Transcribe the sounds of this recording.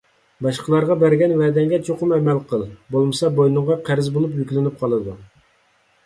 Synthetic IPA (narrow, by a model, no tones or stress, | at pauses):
bɑʃqəlˠɑɾʁɑbæɾɡʲɛnwɛd̪ɛŋɡʲɛt͡ʃʰoqʊmɛmɛlqʰəlˠbolˠmɨsɑbojnɨŋʁɑqʰæɾɪzbolˠup̬jykʲlɪnɪp̚qʰɑlˠɨd̪u